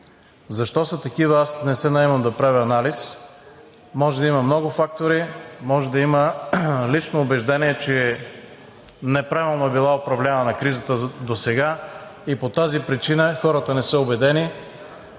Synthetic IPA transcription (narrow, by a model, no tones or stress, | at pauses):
zɐʃt̪ɔsət̪ɐkivəasnɛsɛnɐɛmɐmd̪ɐpɾavʲɛɐnalis | mɔʒɛd̪ɐiməmnɔɡʊfak̚t̪oɾimɔʒɛd̪ɐiməlit͡ʃnoːbɛʒd̪ɛniɛt͡ʃɛ | nɛpɾavilˠnoɛbilˠaopɾɐvlʲanənɐkɾizət̪əd̪osɛɡaipot̪azipɾit͡ʃinəxɔɾət̪ənɛsəobɛd̪ɛni